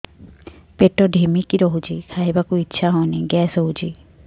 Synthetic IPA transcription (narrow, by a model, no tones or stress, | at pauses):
peʈɔɖʱimikiɾɔɦut͡ʃʰikʰajbakuitːʃʰaɦɔneɡɛsɦɔɦut͡ʃʰi